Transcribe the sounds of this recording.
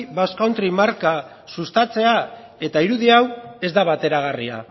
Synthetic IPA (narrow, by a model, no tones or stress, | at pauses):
βaskawnt̪ɾimaɾka | sust̪at͡se̞a | e̞t̪aiɾuðiawe̞zd̪aβat̪e̞ɾaɣaria̰